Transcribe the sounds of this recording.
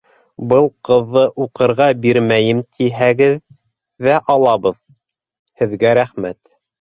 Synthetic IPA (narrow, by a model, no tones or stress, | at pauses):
bɤlˠqɤ̆ðːɤʔuqɤ̆ɾʁɑbiɾmæjɘmt̪ʰiɦæɡɘðː | æʔɑlˠɑβɤð | hɘ̆ðɡæɾæχmæt̪